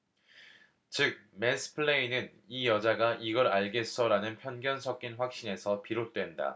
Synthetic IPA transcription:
t͡ɕɯk̚mesʰɯ̥pʰɯɭeinɯn | ijʌd͡ʑaɡaʔiɡʌɾaɭɡes͈ʌɾanɯnpʰjʌnɡjʌnsʰʌk̚k͈inɸwak̚ɕ͈ine̞sʰʌpiɾot̚t͈we̞nda̰

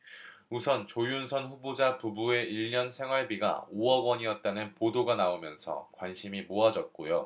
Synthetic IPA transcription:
usʰʌnt͡ɕojunsʰʌnɸubod͡ʑapubue̞iɭːʌnsʰe̞ŋɦwaɭbiɡa̰oʌɡwʌɲijʌt̚t͈anɯnpodoɡanaomjʌnsʰʌ̰kwanɕʰimimoad͡ʑʌt̚k͈ojo

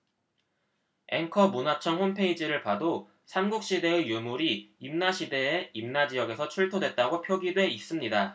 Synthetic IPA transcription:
e̞ŋkʰʌmunat͡ɕʰʌŋɸonpʰe̞id͡ʑiɾɯɭpado | sʰamɡuk̚ɕ͈ide̞ejumuɾiimnaɕʰide̞ːimnad͡ʑijʌɡe̞sʰʌt͡ɕʰuɭtʰodwe̞t̚t͈aɡopʰjoɡidwe̞is͈ɯmɲida

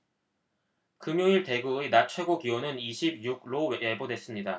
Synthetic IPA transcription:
kɯmjoiɭte̞ɡuinat͡ɕʰwe̞ɡokiwonɯniɕʰib̚juɡ̚ɾoebodwe̞s͈ɯmɲida

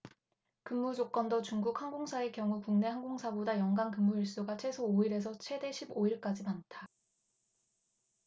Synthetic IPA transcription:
kɯmːud͡ʑok͈ʌndʌt͡ɕuŋɡuk̚haŋɡoŋsʰaekjʌŋukuŋne̞haŋɡoŋsʰabodajʌŋɡankɯmːuiɭs͈uɡat͡ɕʰe̞sʰooiɾe̞s̬ʰʌt͡ɕʰwe̞de̞ɕʰiboiɭk͈ad͡ʑimantʰa

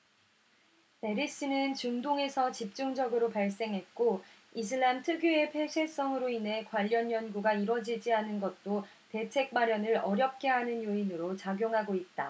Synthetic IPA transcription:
pe̞ɾis͈inɯnt͡ɕɯŋdoŋe̞sʰʌt͡ɕip̚t͡ɕ͈uŋd͡ʑʌɡɯɾopaɭs͈e̞ŋɦe̞t̚k͈o | is̬ʰɯɭːamtʰɯɡjue̞pʰeɕʰis͈ʌŋɯɾoinɦe̞kwaʎːʌnjʌnɡuɡaiɾʌd͡ʑid͡ʑianɯnɡʌt̚t͈o | te̞t͡ɕʰe̞k̚p͈aɾjʌnɯɾʌɾjʌp̚k͈e̞ɦanɯnjoinɯɾot͡ɕaɡjoŋɦaɡoit̚t͈a̰

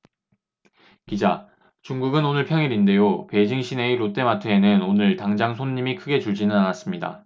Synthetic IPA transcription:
kid͡ʑa | t͡ɕuŋɡuɡɯnonɯɭpʰjʌŋiɾinde̞jope̞d͡ʑiŋɕʰine̞iɾot͈e̞matʰɯenɯnonɯɭtaŋd͡ʑaŋsʰoɲːimikʰɯɡe̞t͡ɕuɭd͡ʑinɯnanas͈ɯmɲida̰

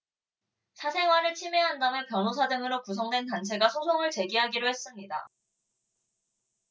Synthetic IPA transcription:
sʰasʰe̞ŋɦwaɾɯɭt͡ɕʰimeɦandanɯpjʌnosʰadɯŋɯɾokusʰʌŋdwe̞ntant͡ɕʰe̞ɡasʰosʰoŋɯɭt͡ɕe̞ɡiɦaɡiɾohe̞s͈ɯmɲida

